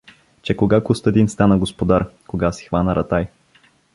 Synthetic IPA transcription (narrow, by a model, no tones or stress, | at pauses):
t͡ʃɛkoɡakʊst̪əɛd̪inst̪anəɡospod̪aɾkoɡasi̥xvanəɾɐt̪aj